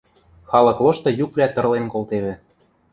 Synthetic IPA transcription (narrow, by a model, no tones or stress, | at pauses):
xɑlɤ̆kloʃt̪ɤ̆jukβlʲæt̪ɤ̆rlenkolˠt̪eβɘ̆